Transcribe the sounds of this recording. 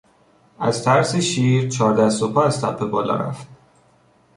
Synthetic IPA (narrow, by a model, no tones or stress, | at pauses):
æz̥t̪ʰæɾseʃiːɾt͡ʃʰɒːɾd̪æsopʰɒæzt̪ʰæpʰːe̞bɒːlɒ̰ɾæ̰ft̪̚